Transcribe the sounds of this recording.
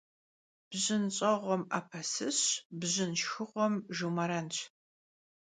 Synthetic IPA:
b̥ʑɪnɕʼɐʁʷɔmaːpʰɐsɨɕbʑɪnʃxɨʁʷɔmʒumɐɾɐnt͡ɕʰ

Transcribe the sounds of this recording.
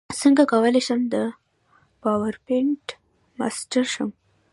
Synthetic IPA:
səŋɡakawəleʃəmd̪ə | pɑwaɾpɪɳʈ | ma̰sʈaɾʃəm

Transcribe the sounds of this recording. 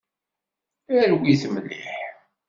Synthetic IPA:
ælɡʷiθəmlːḭħ

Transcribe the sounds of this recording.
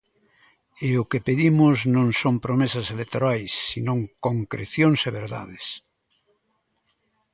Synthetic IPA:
eʊkepeðimʊznõŋsõmpɾomesɐselek̚t̪oɾajsːinõŋkoŋkɾḛθjõŋseβeɾða̰ðes

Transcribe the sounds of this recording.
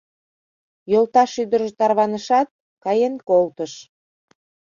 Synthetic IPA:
jolt̪ɑʃyd̪ərʒet̪ɑrβɑnəʃɑt̪̚ | kɑjenkolt̪əʃ

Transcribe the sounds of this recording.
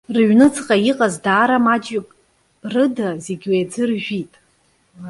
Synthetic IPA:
rɨɥnɨt͡sʰʼqʼajiqʼazdaːɾamat͡ʃʼipʼ | rɨdazeɡʲwed͡zɨrʒᶣitʼ

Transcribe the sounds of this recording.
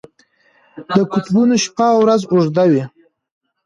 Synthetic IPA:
d̪əkʊt̪bunoʃpawɾazʊʐd̪awi

